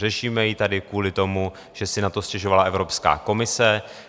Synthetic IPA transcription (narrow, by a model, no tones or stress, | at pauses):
rɛʃiːmɛjit̪adɪkuːlɪt̪o̞mu | ʒ̥ɛsɪnat̪o̞scɛʒovalaʔɛvɾo̞pska̰ːko̞mɪsɛ